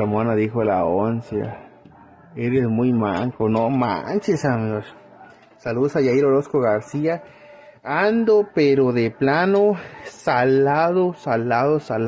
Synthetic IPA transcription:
amonad̪ixola̰onsja̰ | eɾesmujma̰ŋkonoma̰nt͡ʃesamjos | salusajaiɾoɾoskoɣaɾsia | and̪opeɾod̪eplanosalaðosalaðosal

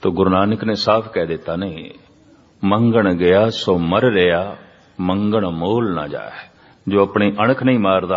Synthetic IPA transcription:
t̪oːɡʊɾnaːnəknẽːsaːpʰkɛːd̪ɪt̪ːaːnəḭ̃ː | məŋɡəɳɡəjaːsoːməɾɾɪjaː | məŋɡəɳmoːlna̰ːd͡ʒa̰ːɛ | d͡ʒoːəpɳiːʔəɽ̃əkʰnəĩːmaːɾd̪aː

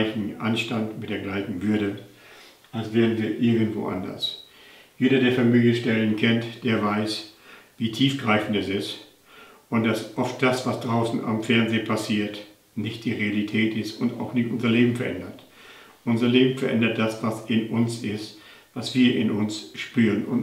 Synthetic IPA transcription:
ɪçn̩ʔa̰nʃtantmɪt̚d̥eːɐɡlaɪçn̩vʏɐɾə | ʔalsv̥ɛːʁn̩viːɐʔɪɐɡən̩tv̥o̰ːʔa̰ndɐ̰s | jeːɾɐdeːɐfɛɐmiːɡəʃtɛlənkʰɛntd̥eːɐvaɪsviːtʰiːfɡ̥ʁaɪfn̩tɛsɪst | ʔʊnt̚d̥asʔɔft̚d̥asv̥asd̥ʁaʊsn̩a̰mfɛɐnzeːpʰasiːɐt | nɪçt̚d̥iːʁealitʰɛːtɪstʊnta̰ʊxnɪçtʊnzɐleːbm̩fɛɐʔɛ̰ndɐt | ʔʊnzɐleːbm̩fɛɐʔɛ̰ndɐt̚d̥asv̥asɪnʊnsɪst | vasv̥iːɐʔɪ̰nʊnsʃpyːʁənʊn

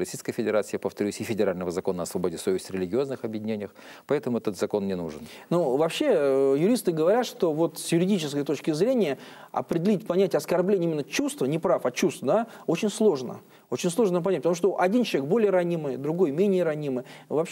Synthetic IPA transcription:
ɐsʲijskəjfʲɪdʲɪɾat̪sɨɪpəft̪ɐɾʲusʲɪfʲɪdʲɪɾalʲnəvəzɐko̞nəɐsvɐbo̞dʲɪsovʲɪsʲtʲɾʲɪlʲɪɡʲɪo̞znɨxɐbjɪdʲɪnʲenʲɪjəx | pɐɛt̪əmʊɛt̪ət̪zɐko̞nːʲɪnuʐɨnnuvɐpɕːe̞jʊɾʲist̪ɨɡəvɐɾʲat̪ʂt̪o̞vo̞t̪sjʊɾʲɪdʲit͡ɕɪs̬kəjt̪ot͡ɕkʲɪzɾʲenʲɪjəɐ̰pɾʲɪdʲɪlʲitʲpɐnʲætʲːɐskɐrblʲenʲɪimʲɪnːət͡ɕust̪vənʲɪpɾafɐt͡ɕust̪fd̪ao̞t͡ɕɪnʲslˠo̞ʐnə̰ | ot͡ɕɪnʲslˠo̞ʐnəpɐnʲæt̚ʲpət̪ɐmuʂt̪oʔɐdʲint͡ɕɪvʲek̚bo̞lʲɪjəɾɐnʲimɨjd̪ɾʊɡo̞jmʲenʲɪjəɾɐnʲimɨjvɐp

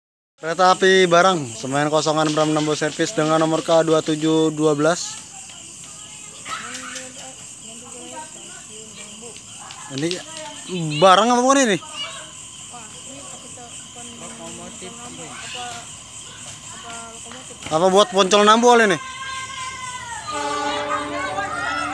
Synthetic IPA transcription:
kɾet̪aːpibaɾaŋsəmaɪnkɔs̬ɔŋanbəɾamnambusɛrfɪsdəŋanːɔmɔrkaduat̪ud͡ʒuduabəlas | ini | baɾaŋapabukaninɪ | apabuat̪̚pɔɲt͡ʃɔlnamboalɛnɪ

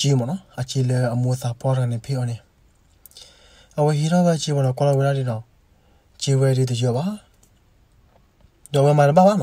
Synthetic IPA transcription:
imɔ̃nɔ̃at͡ʃilɛamoθapɔɾanɛ̃pʰeɔnɛ̃ | awɛɦiɾɔbɛt͡ʃiwɔɾɔkɔlɔweɾaɾidɔ | t͡ʃiwɛɾidod͡ʒiɔba | dwɛmãɾɔabanã

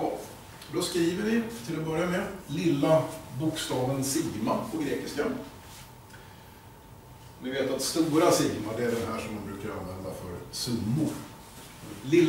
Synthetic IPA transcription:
d̪ɔskɾiːvəɾvɪt̪ʰɪlɔbœɾjamɛlɪlːabʊkst̪ɑːvənsɪɡmapʰɔɡɾeːkɪska | ɔnɪveːt̪at̪st̪uːɾasɪɡmaɖɛæɖɛnɦæːʂɔmːanbɾʉ̟ːkaɾa̰nvɛnd̪afœɾsɵmːʊɾ | lɪlː

